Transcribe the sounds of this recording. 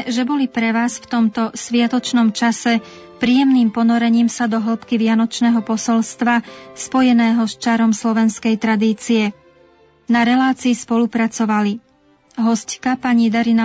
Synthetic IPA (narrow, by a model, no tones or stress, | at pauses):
ʒɛbɔlipɾɛʋaːsft̪ɔmt̪ɔsʋɪat̪ɔt͡ʃnɔmt͡ʃasɛ | pɾiːjɛmniːmpɔnɔɾɛɲiːmsad̪ɔɦl̩pkiʋɪanɔt͡ʃnɛːɦɔpɔsɔlst̪ʋaspɔjɛnɛːɦɔst͡ʃaɾɔmslɔʋɛnskɛjt̪ɾad̪iːt͡siɛ | naɾɛlaːt͡siːspɔlupɾat͡sɔʋali | ɦɔsckapaɲid̪aɾina